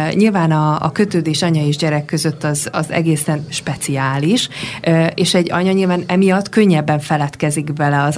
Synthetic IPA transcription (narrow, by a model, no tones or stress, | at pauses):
ɲilvaːnɒ̰ːkø̞t̪øːd̪eːʃɒɲɒeːʒɟɛɾɛkːø̞zøt̪ːɒzɒ̰zɛ̰ɡeːsɛnʃpɛt̪siaːliʃ | eːʃɛɟːɒ̰ɲɒɲilvaːnɛmijɒt̪ːkø̞ɲːɛbːɛɱfɛlɛt̪kɛziɡbɛlɛɒz